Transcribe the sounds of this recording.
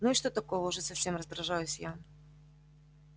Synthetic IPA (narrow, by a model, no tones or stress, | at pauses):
nuɪʂt̪ot̪ɐkovəʊʐɛsɐfsʲemrəzd̪ɾɐʐajʊsʲja